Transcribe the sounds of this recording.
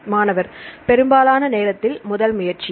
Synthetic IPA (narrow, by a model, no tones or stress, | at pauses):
maːnɐʋɐɾpɛɾɯmbaːlaːnɐneːɾɐt̪ːɪlmʊðɐlmʊjɐɾt͡ʃi